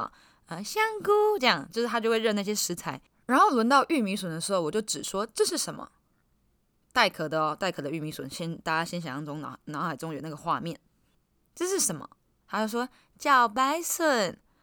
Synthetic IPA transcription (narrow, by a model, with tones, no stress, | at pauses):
ə˧ɕjɑ˥ŋku˥ʈ͡ʂɤ˥˧jɑ˥˨˩ŋt͡ɕjʂɻ̩ʰ˥˩a˥jo˥˧ʊwe˧ɻə˥˧na˥˩ɕjɛ˥ʂɻ̩˧˥t͡sʰa˧˥ɪ | ɻa˧˥nxo˥˩lwə˧˥nt̪ɑ˥˧ʊʔy˥˩mi˧˥swə˨˩nd̪ə˧ʂɻ̩˧˥xo˥˩ʊwɔ˨˩t͡ɕjo˥˩ʈ͡ʂɻ̩˨˩ʂwɔ˥ʈ͡ʂɤ˥˧ʂɻ̩˥˩ʂə˧˥nmə̰˧ | t̪a˥˩ɪkʰɤ˨˩d̪ə˧˦ɔ˧˩t̪a˥˩ɪkʰɤ˨˩d̪ə˦y˥˩mi˧˥swə˧˦nɕjɛ˥nt̪a˥˧˩t͡ɕa˥ɕjɛ˥nɕ̬jɑ˨˩ŋjɑ˧˥ŋʈ͡ʂʊ˥ŋna̰˨˩nɑ˨˧˥xa˨˩ɪʈ͡ʂʊ˥ŋjo˨˩na˥˩ɡə˩xwa˥˧mjɛ˥˩n | ʈ͡ʂɤ˥˧ʂɻ̩˥˩ʂə˧˥nmə̰˧ | t̪ʰa˥t͡ɕjo˥˧˩ʊʂ̬wɔ˥ | t͡ɕjɑ˥˩ʊp̬a˥ɪswə˥˧˩n